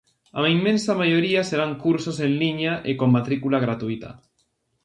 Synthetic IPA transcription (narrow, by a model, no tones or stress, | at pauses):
amimːẽnsamajoɾiaseɾaŋkuɾsosẽnliɲaʔekomːat̪ɾikulaɣ̞ɾat̪uit̪a̰